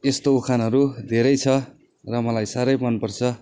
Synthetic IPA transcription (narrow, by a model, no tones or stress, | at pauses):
est̪oukʰanɦʌɾud̪ʱeɾʌjt͡sʰʌ | rʌmʌlajsaɾʌjmʌnpʌrt͡sʰʌ